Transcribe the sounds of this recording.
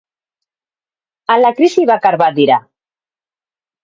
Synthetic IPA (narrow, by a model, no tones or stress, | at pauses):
alakɾisiβakaɾβat̪̚d̪iɾa